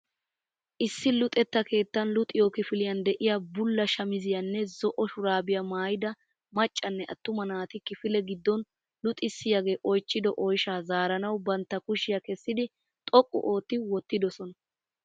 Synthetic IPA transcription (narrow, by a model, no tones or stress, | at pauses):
ʔɪsːɪlʊt̪ʼɛt̪ːɐke̞ːt̪ːɐnlʊt̪ʼɪjokɪfɪlɪjɐnd̪ɛʔɪjabʊlːɐʃɐmɪzɪjɐnːɛzɔʔɔʃʊɾaːbɪjɐmaːjɪd̪ɐ | mɐt͡ʃʼːɐnːɛʔɐ̰t̪ːʊmɐnaːt̪ɪkɪfɪlɛɡɪd̪ːɔn | lʊt̪ʼɪsːɪjaɡe̞ːʔɔjt͡ʃːɪd̪ɔʔɔjʃaːzaːɾɐnɐwbɐnt̪ːɐkʊʃɪjɐkɛsːɪd̪ɪ | t̪ʼɔkʼːʊ̰ʔoːt̪ːɪwɔt̪ːɪd̪ɔsɔnɐ